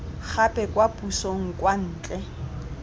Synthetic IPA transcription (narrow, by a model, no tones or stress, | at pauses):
k͡xʰapʼɛkʼwapʼusoŋ̩kwan̩ːt͡ɬʼɛ